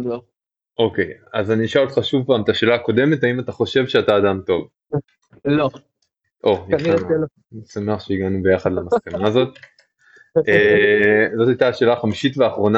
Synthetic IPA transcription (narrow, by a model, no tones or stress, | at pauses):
o | ʔo̞ke̞jazaniʃaot̪χaʃuvpaːmet̪aʃe̞ːlaːko̞de̞me̞taimataχo̞ʃe̞vʃeataːdamto̞v | lo | ʔo̞in | nisame̞aχʃeiɡanube̞jaχad̪leamaskanaːzo̞t̪̚ | ezo̞tajt̪aʃe̞ːlaχamiʃitveaχʁo̞na